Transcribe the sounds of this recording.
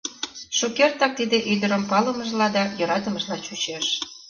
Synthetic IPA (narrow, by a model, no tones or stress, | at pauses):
ʃukert̪ɑk̚t̪id̪eʔyd̪əɾəmpɑləməʒlɑd̪ɑjoɾɑt̪əməʒlɑt͡ɕut͡ɕeʃ